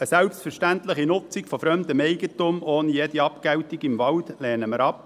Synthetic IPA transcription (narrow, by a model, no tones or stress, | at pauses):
əsɛlpstfəɾʃtæntləχinʊt͡sikfɔfɾœmd̪əmɛɪɡətʊmoːnijɛd̪iɑpkɛwtiɡɪmvɑldlɛːnəməɾɑp